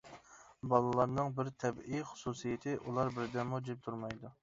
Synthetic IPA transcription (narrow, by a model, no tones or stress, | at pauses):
bɑlˠɨlˠɑɾnɨŋbɪɾt̪ʰɛbijχʊ̥susijɪt̪ʰɪʔulˠɑɾbɪɾd̪ɛmud͡ʒip̚t̪ʰuɾmɑjd̪u